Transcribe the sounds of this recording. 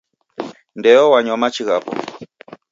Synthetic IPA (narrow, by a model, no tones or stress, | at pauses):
ndɛɔwaɲwamat͡ʃiɣapɔ̰